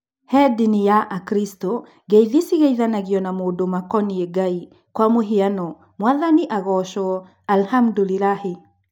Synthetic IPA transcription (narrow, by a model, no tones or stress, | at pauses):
hɛdinijaʔakɾisto | ɡeiðisiɣeiðanaɣiɔnamodomakɔnieɡai | kwamoɦianɔ | mwaðaniʔaɣɔʃɔ | alhamdulilahe